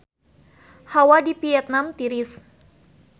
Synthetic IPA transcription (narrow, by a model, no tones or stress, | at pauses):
hawadipiɛt̪̚namt̪iɾis